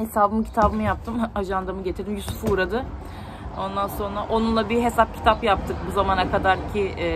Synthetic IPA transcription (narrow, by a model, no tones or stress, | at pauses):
he̞saːbɯmcʰi̥t̪ʰabɯmɯjap̚t̪ʰɯmaʒand̪amɯɟet̪ʰiɾd̪imjysufuːɾad̪ɯ | o̞nd̪anso̞nɾaʔo̞nunlˠabiɦe̞sap̚cʰi̥t̪ʰapjap̚t̪ʰɯkbuzamanakʰad̪aɾcʰi